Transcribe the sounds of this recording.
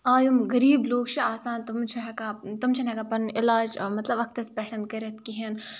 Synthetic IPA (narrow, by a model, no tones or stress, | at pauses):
aːjumɣɐɾiːbloːɡt͡ʃʰiaːsaːnt̪umt͡ʃʰɐɦɐkat̪umt͡ʃʰɐnɐkapɐnɪlaːd͡ʒmɐt̪lɐbɐk̚t̪ɐspɛːʈʰɐnkɐɾɐt̪kiɦɐn